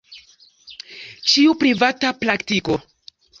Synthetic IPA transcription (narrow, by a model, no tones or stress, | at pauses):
t͡ʃiupɾivataplaktiko̞